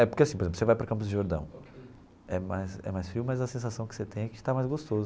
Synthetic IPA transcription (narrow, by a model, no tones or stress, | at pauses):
ɛpʊɾkeasĩpoɾeẽplʊsevajpɾɐkɐ̃mpʊzd̪ɪʒoɾd̪ɐ̰̃w̃ | ɛmajsɛ̰majsfiwmɐzɐsẽsasɐ̃w̃kɪ̥set̪ẽj̃ɛkɪ̥ʃt̪amajzɡoʃt̪ozʊ